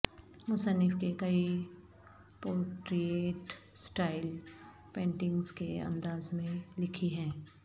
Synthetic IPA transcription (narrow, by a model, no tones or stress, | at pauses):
mʊsənːɪfkekɐi | poːʈɾieːʈsʈaːɪl | pẽːɳʈɪ̃ŋɡzkeɐ̰̃nd̪aːzmẽlɪkʰiɦɛ̃ː